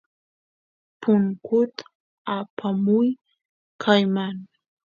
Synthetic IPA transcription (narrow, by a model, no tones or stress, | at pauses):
pʊŋkʊt̪a | apʰamʊj | kʰajmaŋ